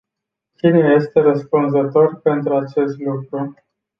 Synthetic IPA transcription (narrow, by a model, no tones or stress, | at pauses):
t͡ʃineje̞st̪e̞ɾəspunzət̪o̞rpe̞nt̪ɾuat͡ʃe̞st̪lukɾu